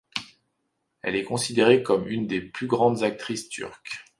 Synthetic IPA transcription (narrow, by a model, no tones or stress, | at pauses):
ɛ̰lɛkɔ̃sid̪eʁekɔmynd̪eplyɡʁɑ̃d̪zak̚t̪χist̪y̰ʁk